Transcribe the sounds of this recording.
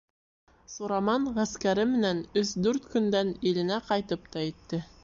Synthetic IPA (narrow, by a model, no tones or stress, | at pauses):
suɾɑmɑɴʁæskæɾɘmɘ̆nænɵsd̪ʉɾt̪kɵ̆nd̪ænilɘ̆næqɑjt̪ɤpt̪ɑit̪ːɘ